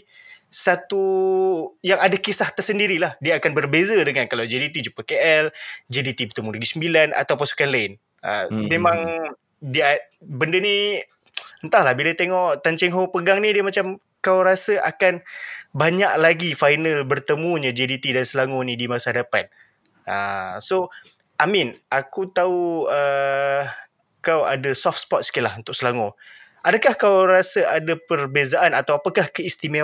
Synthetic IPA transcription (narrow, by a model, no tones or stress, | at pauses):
sat̪u | jaŋadakisaht̪ərsəndiɾilahdiaakanbərbezadəŋankalawd͡ʒedit̪id͡ʒupakeʔɛld͡ʒedit̪ibərt̪əmulaɡisəmbilana̰t̪awpasu̥kanlaɪn | ə̰memãŋ | dia | bəndəni | ənt̪ahlahbilat̪eŋɔʔt̪aɲt͡ʃɛŋɦoŋpəɡaŋnidiəmat͡ʃam | kawɾasəʔa̰kanbaɲak̚laɡifajnalbərt̪əmũɲəd͡ʒɛdit̪idansəlaŋonidimasadapat̪̚ | əso | ʔaminʔakut̪auə | kawa̰dasɔfspɔt̪̚skilaɦunt̪ʊk̚səlaŋo | ʔadakahkawɾasəʔadapərbezaʔanat̪awapakahkəist̪ime